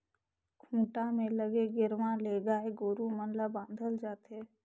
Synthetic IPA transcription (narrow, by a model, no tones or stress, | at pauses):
kʰũːʈamẽləɡeɡɪɾmãleːɡaːeɡoːɾumənlabãːnd̪ʱəld͡ʒaːt̪eː